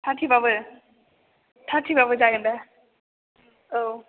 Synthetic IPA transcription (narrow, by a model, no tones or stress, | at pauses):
tʰatʰibabɯ | tʰatʰibabɯzajɯmbɛ | o